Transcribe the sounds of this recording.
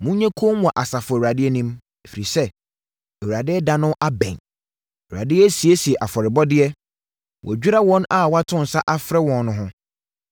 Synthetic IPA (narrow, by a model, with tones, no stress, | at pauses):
mʊ̃˦ɲɛ̃˦kʰo˦mũ˨a˨ʔa˨sa˨fʊ˨ɛ˨a˨dɪ˦ɛ˦nĩ˦m | ɛ˨fi˨i˨sɛ˦ | ɛ˨wɾa˨dɪ˦ɛ˦dã˨nʊ̃˦ʔa˦bɛ̰̃˨ɲ˨ | wu˨ɾa̰˨dɪ˦ɛ˦si˨e˦si˨ɛ˨ʔa˨fɔ˨ɾɪ˨bɔ˦dɪ˦ɛ˦ | wʔɔ̰˨d͡ʑᶣu˦ɾa˦wɔ̃˦na˨wɔ˦a˦tʰʊ̃˦n̩˨sa˦ʔa˦fɾɛ˦wɔ̃˨nnʊ̃˦ɦʊ̃˦